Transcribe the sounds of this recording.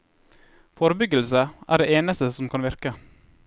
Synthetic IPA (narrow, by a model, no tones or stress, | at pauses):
foːɾəbʏɡəlsəʔæ̰ːɖeːeːnəst̪əsɔmkʰɑnʋɪɾkə